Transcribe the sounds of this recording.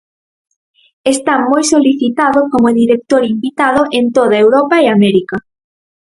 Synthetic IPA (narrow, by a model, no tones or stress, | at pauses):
est̪amojsoliθit̪aðʊkomʊðiɾek̚t̪oɾimbit̪aðʊʔent̪oðaewɾɔpaeamɛɾika